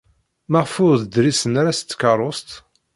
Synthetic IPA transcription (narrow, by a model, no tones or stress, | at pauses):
maʁfʊɾðəd̪ɾisənaɾast̪ːkɑɾˤost̪